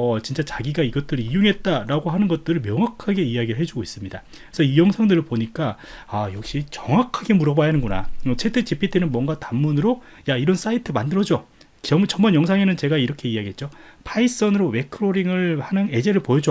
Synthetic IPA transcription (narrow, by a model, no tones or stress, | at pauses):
ʌt͡ɕint͡ɕ͈at͡ɕaɡiɡaiɡʌt̚t͈ɯɾiijuŋɦe̞t̚t͈aɾaɡoɦanɯnɡʌt̚t͈ɯɾɯɭmjʌŋɦwakʰaɡe̞ijaɡiɾɯɭɦe̞d͡ʑuɡois͈ɯmɲida | sʰʌijʌŋsʰaŋdɯɾɯɭpoɲik͈aajʌk̚ɕ͈it͡ɕʌŋwakʰaɡe̞muɾʌbajanɯnɡuna̰ʌt͡ɕʰe̞t͈ʰe̞t͡ɕipʰit͈ʰenɯnmwʌŋɡatamːunɯɾojaiɾʌns͈aitʰɯmandɯɾʌd͡ʑo | ʌmt͡ɕʌmʌnjʌŋs̬ʰaŋe̞nɯnt͡ɕe̞ɡaiɾʌkʰe̞ijaɡiɦe̞t̚t͡ɕ͈opʰais͈ʌnɯɾowe̞kʰɯɾoɾiŋɯɭhanɯne̞d͡ʑe̞ɾɯɭpojʌd͡ʑo